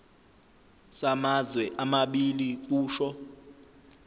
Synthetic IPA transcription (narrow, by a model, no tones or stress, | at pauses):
samazwɛʔamaɓilik̬ʼuːʃɔ